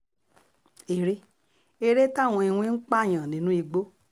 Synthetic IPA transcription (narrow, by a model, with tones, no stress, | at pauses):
e˨ɾe˧˦ | e˧ɾe˦tã˦˨ɔ̃˧i˧hũ˧i˦ŋ̩˦k͡pa˦˨j̃ã˨nĩ˨˦nũ˦i˧ɡ͡bo˦